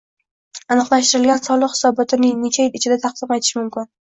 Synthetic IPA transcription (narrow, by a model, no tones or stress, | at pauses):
anɨqlˠaʃt̪ɪɾɪlɡʲansɒlˠɨqhɪ̥sɒbɒt̪ʰɪnɪŋnet͡ʃʰajɪlɪt͡ʃʰɪd̪at̪ʰɑq̚d̪̥ɪmajt̪ʰɪ̥ʃɪmʊmkʲɪn